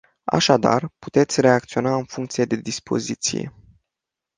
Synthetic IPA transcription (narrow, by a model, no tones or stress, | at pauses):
a̰ʃad̪a̰rpu̥t̪e̞t̪sʲre̞akt̪sio̞naɨnfuŋkt̪sijed̪e̞d̪ispo̞̰zit̪sḭje̞̰